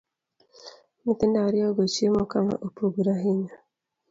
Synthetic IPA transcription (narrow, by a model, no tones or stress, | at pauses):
mit̪endaɾioɡot͡ʃiemokama̰ʔopuɡuɾaɦiɲa